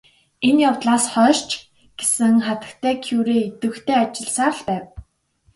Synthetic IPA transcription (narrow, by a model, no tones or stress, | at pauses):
enjawt̪ɮaːsχœːrt͡ɕ | ɡ̥esɘ̆ŋχat̪ə̆kt̪ʰæːkʰjuːɾeːet̪ɘ̆xt̪ʰeːat͡ɕɪ̆ɮsaːɮpæːw